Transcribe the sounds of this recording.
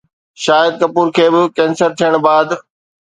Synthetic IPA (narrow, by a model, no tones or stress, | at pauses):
ʃaːjəd̪̚kɐpuːɾkʰeːbɪkɛ̃ːnsəɾt̪ʰijəɽ̃baːd̪